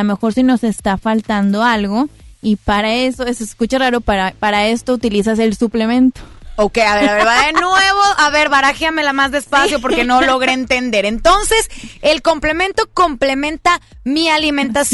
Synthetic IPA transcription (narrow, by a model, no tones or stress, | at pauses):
ome̞xo̞ɾsino̞se̞st̪afalt̪and̪o̞alɣo̞ipaɾae̞so̞eseskut͡ʃaraɾo̞paɾapaɾae̞st̪out̪ilisase̞lsuple̞mẽ̞nt̪o̥okejaβeɾaβeβaðennweβo̞ʔaβe̞ɾβaɾaxjame̞lamazðespasjo̞p̬o̞ɾke̞no̞lo̞ɣɾeent̪e̞nd̪e̞ɾe̞nt̪o̞nse̞se̞lko̞mple̞mẽ̞nt̪o̞ko̞mple̞mẽ̞nt̪amialimẽ̞nt̪as